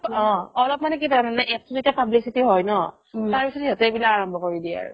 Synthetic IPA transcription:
ɔ̃ɔlɔp̚manɛk̬itananɛʔɛk̚tuzetiapablisitiɦɔjnɔ | taɹpisɔtjatɛbilakaɹɔmbʱɔkoɹidia̰ɹʊ̰

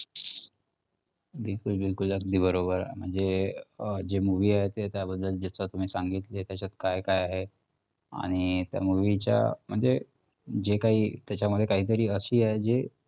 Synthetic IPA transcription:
bilkulbilkuləɡ̚d̪ʱiːbəɾobəɾɦḛm̤əɳd͡ze | d͡ʑemuʋiːaɦet̪et̪jabəd̪ːəld͡ʑat͡sat̪um̤iːsaŋɡit̪let̪jat͡ɕat̪kajkajaɦe | a̰ɽ̃it̪ja̰muʋit͡ɕja̰m̤əɳd͡ze | d͡ʑekaɦiːt̪jat͡ɕaməd̪ʱːjekaɦiːt̪̬əɾiːəɕiːaɦjd͡ʑe

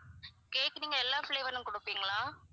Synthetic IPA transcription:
keːkːɐniːŋɡɐɛlːaːfleːʋɐɾnɯmkɔɽɯpːiːŋɡɐɭaː

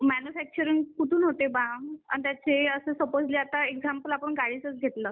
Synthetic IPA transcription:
mænufæk̚t͡ɕəɾiŋkuʈ̪ʰuːnɦot̪ebãa̰ɳt̪jat͡seəsəsəpod͡zliːat̪aeɡd͡zampəlapəɳɡaɽiːt͡sət͡sɡʱet̪lə

